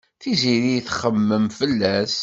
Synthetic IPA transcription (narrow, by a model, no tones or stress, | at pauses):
θiziɾijθχəmːəmfəlːæs